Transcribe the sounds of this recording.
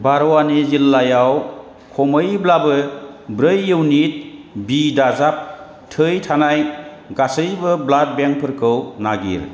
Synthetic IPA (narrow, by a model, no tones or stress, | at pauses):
baɾɔwanizilːajaw | kʰɔmɯjblabɯbɾɯjːɯwnit̚bidazap̚ | tʰɯjtʰanaj | ɡasɯjbɯblat̚beŋpʰɯɾkʰɯwnaɡḭɾ